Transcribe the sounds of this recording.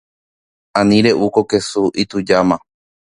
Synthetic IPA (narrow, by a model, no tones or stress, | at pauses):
ãnĩɾe̞ʔukoke̞suʔit̪ud͡ʒamã